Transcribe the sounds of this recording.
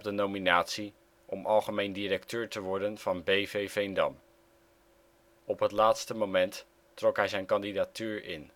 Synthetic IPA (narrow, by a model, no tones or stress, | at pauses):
p̚dənowminaːtsi | ʔɔmʔɑlˠχəmejndiɾɛktøːɹtəʋɔɹdənv̥ɑnbejvejvejndɑ̰m | ɔpɦətlaːtstəmomɛntː | rɔkɦɛjzɛjnkɑndidatyːɹɪ̰n